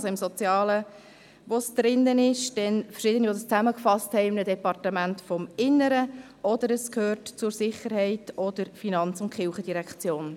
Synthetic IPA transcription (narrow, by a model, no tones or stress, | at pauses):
sɔɪmsɔt͡sjɑːlə | ʋosd̪̥ɾɪnːənɪʃd̥ɛnfə̥ɾʃɪdəniodəst͡sæməkfɑsthɛɪɪmnədɛpɑrtəmæntfɔmɪnːəɾə | ʔɔd̥əɾəskhøːrtt͡sʊɾsɪχəɾhɛɪtɔd̥əɾfinɑnt͡sʊntχɪlχəd̥iɾɛkt͡sjoːn